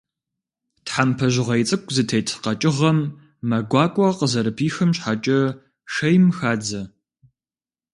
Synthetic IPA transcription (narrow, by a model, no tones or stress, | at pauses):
tħampʰɐʒɪʁɐjt͡sʼɨkʷʼzɨtʰejtʰqɐt͡ʃʼɪʁɐmː | ɐɡʷɑːkʷʼɔqəzɐɾɨpʰiːxɐmɕħat͡ʃʼɐ | ʃɐjmxaːd͡zɐ